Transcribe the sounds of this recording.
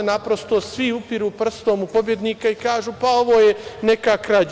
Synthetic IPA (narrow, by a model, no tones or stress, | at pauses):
napɾo̞st̪o̞sʋiupiɾuːpr̩st̪o̞ːmupo̞bje̞d̪niːkaikaːʒuːpao̞ʋo̞ːjenekakɾa